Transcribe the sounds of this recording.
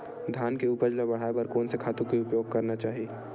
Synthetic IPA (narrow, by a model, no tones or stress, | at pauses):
d̪ʱjaːnkeupəɾd͡ʒlɐbɐɽ̤aːepɐɾkoːnsekʰaːt̪ũkiʊpjoːɡ̚kɐɾnat͡ʃaːɦie